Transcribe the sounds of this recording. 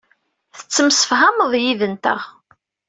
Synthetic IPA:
θə̥t͡sːəmsə̥fɦamðˤjiðənt̪ə̰ʁ

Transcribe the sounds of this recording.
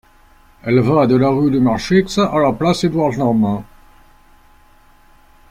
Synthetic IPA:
ɛlvad̪əlaʁyd̪əmaʁʃiksalaplased̪waʁt̪nam

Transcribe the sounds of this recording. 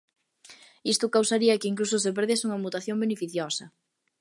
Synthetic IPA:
ist̪ʊkawsaɾiɐkɪiŋklusʊsep̬eɾðesuŋɐmut̪aθjoŋbenefiθjosɐ

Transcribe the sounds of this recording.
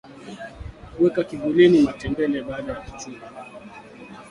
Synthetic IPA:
wɛkakiɡulinimatɛmbɛlɛɓaːɗajaki̥tula

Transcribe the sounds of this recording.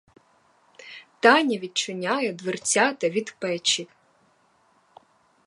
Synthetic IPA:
t̪ɑnʲɐʋʲid̪̚t͡ʃʊnʲɑjɛd̪ʋert͡sʲat̪ɐʋʲid̪pɛt͡ʃi

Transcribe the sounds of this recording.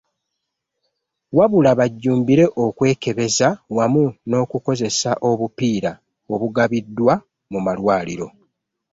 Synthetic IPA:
waβulaβaɟːuːmbiɾe̞ʔo̞kwe̞ːke̞βe̞zawamuno̞ːkuko̞ze̞saʔo̞βupiːɾa | o̞βuɡaβidːwa | mumalwaːliɾo̞

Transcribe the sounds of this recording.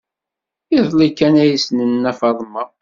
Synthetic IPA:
iðˤlikːænæjisnənːæfɑðˤmə

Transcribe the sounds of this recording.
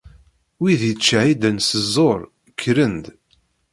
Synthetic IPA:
wiðjət͡ʃːaʕid̪ənsəzˤːoɾˤ | kʰːɾənd̪

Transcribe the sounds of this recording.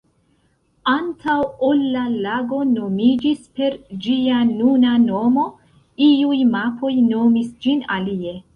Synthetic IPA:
antʰawolːalaɡo̞no̞mid͡ʒispe̞ɾd͡ʒianunano̞mo̞ | iujmapʰo̞jno̞misd͡ʒina̰lie̞

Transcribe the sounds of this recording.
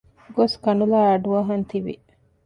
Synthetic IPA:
ɡoskɐnulaːɐɖuɐɦɐnt̪iʋḭ

